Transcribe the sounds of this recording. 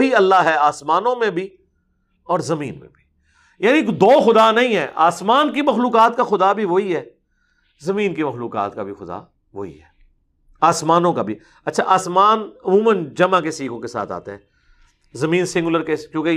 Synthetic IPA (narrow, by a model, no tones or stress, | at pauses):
oɦiɐlːaɦɛaːsmaːnõmẽbʱi | ɔːɾzɐmḭ̃ːnmḛ̃bʱi̥ | jaːnikd̪ɔːxʊd̪anɐɦĩɦɛːʔa̰ːsmaːnkimɐxluːkaːt̪kaxʊd̪abʱiʋoɦiɦɛː | zɐmĩːnkimɐxluːka̰ːt̪kabʱixʊd̪a̰ | ʋo̰ːɦḭɦɛː | aːsmaːnõkabʱi | ɐtːʃʰaʔaːsmaːnɐmũːmənd͡ʒɐmãkesiːkʰõkesa̰ːt̪ʰa̰ːt̪eɦɛ̃ː | zɐmĩːnsɪ̃ŋɡʊləɾkekjõːke